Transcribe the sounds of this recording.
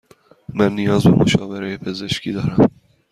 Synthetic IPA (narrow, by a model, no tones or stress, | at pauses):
mɛnːijɑːzbɛmuʃɑːvɛɾɛjepʰezeʃkid̪ɑːɾɛm